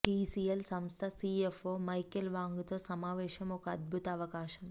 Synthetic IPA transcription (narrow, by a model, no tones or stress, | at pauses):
ʈiːsiːelsɐmst̪ʰɐsiːefoːmɐjkɐlʋaːŋɡut̪oːsɐmaːʋɛːʃɐmɔkɐɐd̪̚bʱut̪ɐːʋɐkaːʃɐm